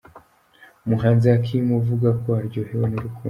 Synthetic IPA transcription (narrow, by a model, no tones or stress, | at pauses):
muɦaːnziakʰimuvuɡakwohaɾɟohewenuɾukuː